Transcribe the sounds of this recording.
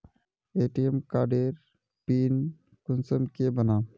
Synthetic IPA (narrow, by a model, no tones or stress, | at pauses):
eːʈiɛmkaːɖeɾ | piːn | kʊnsəmkebənaː